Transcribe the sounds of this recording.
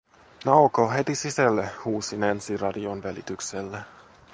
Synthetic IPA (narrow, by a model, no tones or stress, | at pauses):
nɑwkoɦe̞t̪isisælːehuːsinænsirɑdionʋælḭt̪ykselːe